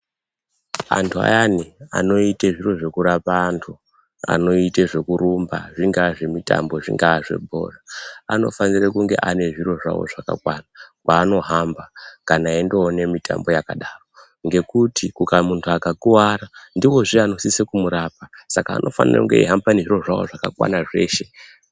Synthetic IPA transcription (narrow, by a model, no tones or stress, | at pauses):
a̰ntʰua̰jania̰no̞iteʐiro̞ʐe̞kuɾapaːntʰu | a̰no̞iteʐe̞kuɾumba̰ʐiŋɡaʐe̞mita̰mbo̞ʐḭŋɡaːʐe̞̰bʱo̞̰raano̞̰fanirekuŋɡe̞̰ʔane̞ʐiɾo̞ʐa̰wo̰ʐaka̰kwanakwaːno̞ɦambakanaindo̞ːne̞mitʰa̰mbo̞jaka̰ɗaːro̞ | ŋɡe̞kutikukamuntʰuakakuwaɾandiwo̞ʐiano̞sisekumuɾaːp̚asaka̰ːnʔo̞̰fa̰nḭrḛkuŋɡe̞̰ḭɦampaneʐiro̞ʐawo̞̰ʐakakwa̰naʐe̞̰ːʃe̞